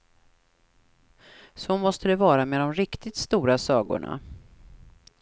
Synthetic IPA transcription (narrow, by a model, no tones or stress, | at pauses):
sɔmɔst̪əd̪ɛvɑːɾameːd̪ɔmɾɪkt̪ɪt̪st̪uːɾasɑːɡʊ̰ɳa̰